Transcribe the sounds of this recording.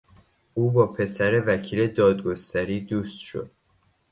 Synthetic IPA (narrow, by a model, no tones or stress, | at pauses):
ʔuːbɒːpʰe̞sæɾe̞væcʰiːle̞d̪ɒːd̪ɡo̞st̪æɾiːd̪uːst̪ʃo̞̰d̪̥̚